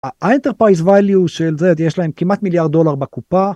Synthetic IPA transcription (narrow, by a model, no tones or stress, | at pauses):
aaent̪eʁpʁajzvaljuʃelzejeʃlaemkimat̪miljaʁd̪dːo̞laʁbekupa